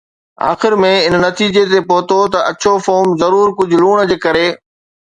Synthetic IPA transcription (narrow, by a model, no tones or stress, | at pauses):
a̰ːxɪɾmẽɪnnɐt̪iːd͡ʑet̪epoɦt̪ot̪ɐʔɐt͡ɕʰofoːmzɐɾuːɾkʊd͡ʑʱʊluːɽ̃d͡ʑeːkɐɾeː